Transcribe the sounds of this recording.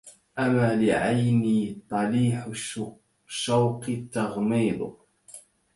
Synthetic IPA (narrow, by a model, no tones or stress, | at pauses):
ʔamːaːlɪʕajniːt̪ˤɑliːħ | ʃːawqt̪ːɑɣmiːd̪ˤ